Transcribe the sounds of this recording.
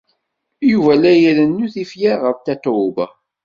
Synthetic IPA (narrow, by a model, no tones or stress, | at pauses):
juvælæjəðənːuθifjaʁəɾt̪æt̪bə